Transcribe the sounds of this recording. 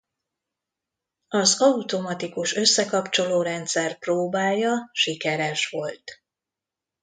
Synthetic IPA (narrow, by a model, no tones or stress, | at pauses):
ɒzɒut̪o̞mɒt̪ikuʃø̞sːɛkɒpt͡ʃo̞loːɾɛnt̪sɛrproːbaːjjːɒʃikɛɾɛʃʋo̞lt̪